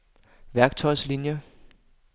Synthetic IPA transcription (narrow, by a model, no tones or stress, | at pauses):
ʋæɐɡ̥̚t͡sʰɒɪ̰slinjə